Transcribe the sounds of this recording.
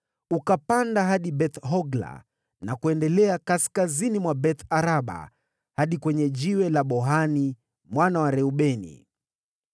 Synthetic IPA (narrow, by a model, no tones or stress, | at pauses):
ukapandaɦaɗiɓɛt̪ɦɔɡla̰ | nakuɛndɛlɛakaskazinimwabɛt̪aɾaɓa̰ | haɗikwɛɲɛʄiwɛlaɓɔɦani | mwanawaɾɛuɓɛnḭ